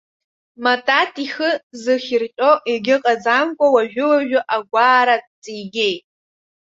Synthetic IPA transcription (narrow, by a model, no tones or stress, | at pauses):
matʼatʰʼiχɨzɨχʲirt͡ʃʲʼo̞ʔiɡʲɪqʼad͡zamkʷʼawaʒᶣʊlaʒᶣʊʔaɡʷaːɾatʼt͡sʼijɡʲejtʼ